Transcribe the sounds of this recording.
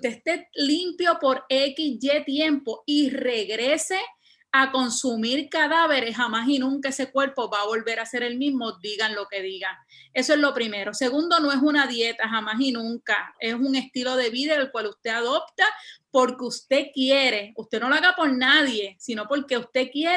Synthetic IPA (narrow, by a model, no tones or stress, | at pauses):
ut̪eːst̪e̞limpjo̞po̞ɾe̞kisd͡ʒe̞t̪je̞mpo̞ire̞ɣɾe̞se | ako̞nsumiɾkaðaβe̞ɾesɦhamasinũŋkaese̞kweɾpo̞βaːβo̞lβe̞ɾase̞ɾe̞lmizmod̪iɣanlo̞ke̞ðiɣa | e̞soe̞slo̞pɾime̞ɾo̞se̞ɣund̪o̞no̞e̞sunaðje̞t̪aɦamaɦinũŋka̰e̞suŋe̞st̪ilo̞ðe̞βiðaelkwalust̪e̞aðo̞p̚t̪apo̞ɾkeust̪e̞kje̞ɾe̞ust̪e̞no̞loaɣapo̞ɾnaðje̞sino̞po̞ɾke̞ust̪e̞kje